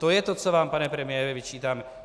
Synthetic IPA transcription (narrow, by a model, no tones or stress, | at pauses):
t̪ɔjɛt̪ɔt͡sɔʋaːmpaɲɛpɾɛmɪjɛːɾɛʋit͡ʃiːt̪aːmɛ